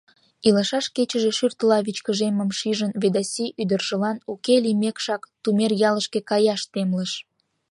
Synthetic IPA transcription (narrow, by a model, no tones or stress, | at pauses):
iləʃɑʃket͡ɕəʒeʃyrt̪əlɑβit͡ɕkəʒeməmʃiʒənβed̪ɑsʲiʔyd̪ərʒə̆lɑnukelimekʃɑkt̪umerjɑləʃkekɑjɑʃt̪emləʃ